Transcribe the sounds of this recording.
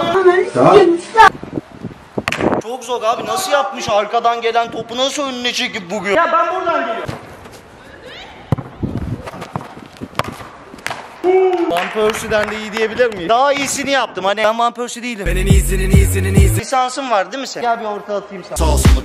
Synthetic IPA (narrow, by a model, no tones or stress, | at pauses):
t͡ʃʰo̞kzo̞ɾaːbinasɯjap̚mɯʃaɾkad̪anɟe̞lʲænt̪ʰo̞punasɯønynɛt͡ʃʰecip̚buɡyjabænbuɾd̪anɟelʲi | mampʰøɾsyd̪ænd̪ɛijd̪ije̞bilʲiɾmijd̪aɦaiːsinijap̚t̪ʰɯmhaniænmampøɾsyd̪ijilʲieninizininizininizisansɯmvaɾd̪imisɛjabioɾt̪ʰalˠat̪ʰɯjɯmsasasɯ